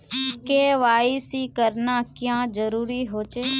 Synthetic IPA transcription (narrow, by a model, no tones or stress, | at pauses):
keːʋaːisiːkəɾnaːkjãːd͡ʒəɾuːɾiɦoːt͡ʃeː